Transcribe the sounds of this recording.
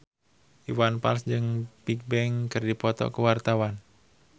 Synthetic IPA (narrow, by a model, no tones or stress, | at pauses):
ʔiwanpa̰lsd͡ʒɨŋpik̚bɛŋkɨrdipɔt̪ɔ̰kəwart̪awan